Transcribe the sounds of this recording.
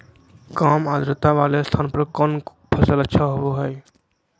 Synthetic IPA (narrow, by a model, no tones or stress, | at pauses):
kaːmaːd̪ɾət̪aʋaːlest̪ʰaːnpəɾkɔːn | pʰəsələtːʃʰaɦooɦɛj